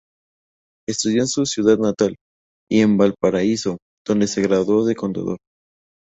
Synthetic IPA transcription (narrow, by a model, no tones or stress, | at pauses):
e̞st̪uðjoensusjuðaðnat̪al | ie̞mbalpaɾaiso̞ | d̪̥o̞nd̪ese̞ɣɾaðo̞ðeko̞nt̪a̰ðo̞ɾ